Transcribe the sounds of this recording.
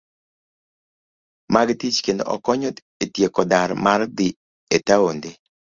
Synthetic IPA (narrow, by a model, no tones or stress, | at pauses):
maɡt̪it͡ʃkendo̰ʔɔ̰kɔɲot̪ | etjekɔd̪aɾmard̪ɪ | et̪aond̪e